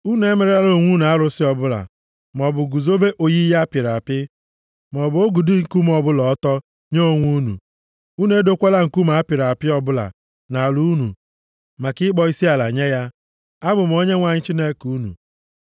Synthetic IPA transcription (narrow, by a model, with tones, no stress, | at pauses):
u˦n˦e˦me˨ɾe˦a˦ɾo˨ŋʷu˦nu˨a˦ɾʊ˨sɪ˦ɔ˨bʊ˦la̰˨ | m˨ɔ˨bʊ˨ɡu˨zo˦be˦ʔo˨ji˦ja˦pɪ˨ɾa˨pɪ˦ | m˨ɔ˨bʊ˨˦o˦ɡu˨di˦ŋ̩˨ku˦m˦ɔ˨bʊ˦lɔ˨˦tɔ˦ | ɲo˦o˨ŋʷu˦nṵ˨ | u˦ne˦do˦kʷa˦la˦˨ŋ̩˨ku˦m̩˨a˦pɪ˨ɾa˨pɪ˦ɔ˦bʊ˦la̰˨ | na˨lu˦nṵ˨ | ma˨kɪ˦k͡pɔ˦i˦si˦a˨la̰˨ɲe˦ja˦ | a˦bʊ˨m̩˨o˦ɲe˦ŋʷa˨ɲɪ˦t͡ʃi˦ne˦ku˦nṵ˨